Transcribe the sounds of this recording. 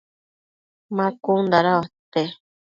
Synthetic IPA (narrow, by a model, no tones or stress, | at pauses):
mãkund̪aɾaat̪e